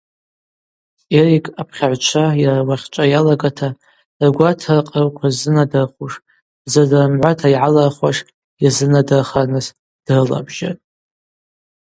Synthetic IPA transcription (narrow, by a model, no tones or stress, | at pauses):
erikʼapʰχʲaʕʷt͡ʃʷʰajarawaχʲt͡ʃʷʼajalaɡatʰa | rɡʷatʰarqʼarkʷʰazɨnadarχuʂ | zadarmʕʷatʰaiʕalarχʷwaʂ | jazɨnadarχanɨs | d̥rɨla̰bʒa̰tʼ